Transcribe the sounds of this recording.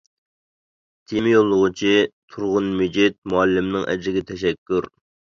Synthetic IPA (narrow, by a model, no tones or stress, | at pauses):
t̪ʰimɪjolˠːʊʁʊt͡ʃʰit̪ʰuɾʁʊnmyd͡ʒɪt̪̚muɛlːɪmnɨŋʔɛ̰d͡ʒɪɡʲɛt̪ʰɛʃ̬ɛkʲːuɾ